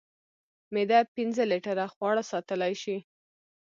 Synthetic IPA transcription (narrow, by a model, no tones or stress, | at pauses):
med̪apinzəliʈaɾaxwɑɽasɑt̪əlajʃi